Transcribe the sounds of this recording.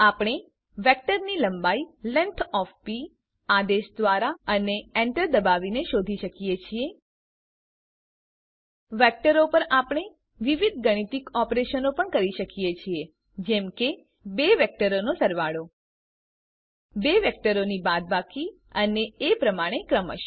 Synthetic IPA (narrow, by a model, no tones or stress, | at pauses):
apɳ̃e | ʋɛk̚ʈəɾniləmbailɛnt̪ʰɔfpi | ad̪eʃd̪ʋaɾaəneɛɳʈəɾd̪əbaʋineʃod̪ʱiʃəkijet͡ʃʰie | ʋɛk̚ʈəɾopəɾapɳ̃e | ʋiʋid̪̚ʱɡəɽ̃it̪ikɔpɾeʃənopəɳkəɾiʃəkijet͡ʃʰie | d͡ʒɛmke | beʋɛk̚ʈəɾonosəɾʋaɭo | beʋɛk̚ʈəɾonibad̪̚bakʰi | əneepɾəmaɽ̃ekɾəmə̰ʃ